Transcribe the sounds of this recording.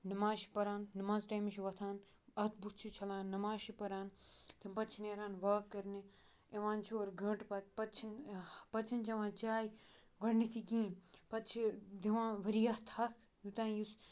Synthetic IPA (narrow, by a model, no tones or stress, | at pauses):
nɐmaːzʃi̥pɐɾaːnːɐmaːzʈaːjmiʃiʋɐt̪ʰaːn | ɐt̪ʰbukt͡ʃʰit͡ʃʰɐlãːnːɐmaːzʃipɐɾaːnt̪ʰimpɐtt͡ʃʰineːɾãːnʋaːkːɐɾni | eʋãːnt͡ʃʰoːɾɡʱɐ̃ʈpɐt̪pɐt͡ʃʰinpɐtt͡ʃʰint͡ʃɐʋãːt͡ʃaːji | ɡɐɽnit̪ʰikĩːpɐt̪t͡ʃʰid̪iʋãːʋɐɾijaht̪ʰɐːkʰ | jut̪ãːjus